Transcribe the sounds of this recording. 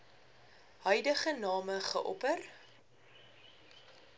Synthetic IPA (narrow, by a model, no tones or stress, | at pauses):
ɦœjdəχənɑːməχə̰ʔɔ̰pər